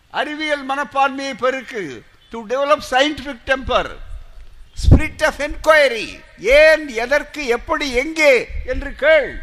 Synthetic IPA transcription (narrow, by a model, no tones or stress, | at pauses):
ʔɐɾɪʋɪjɐlmɐnɐpːaːɾmɪjɐɪpːɛɾɯkːɯ | tuɖɛʋɛlɐpsɐjɐnʈɪfɪk̚ʈɛmpɐɾ | spɪɾɪʈːɐːfɛnkwɐjɐɾḭ | eːnɛðɐrkɯɛpːɐɽiɛŋɡeːɛndrɯkeːɭ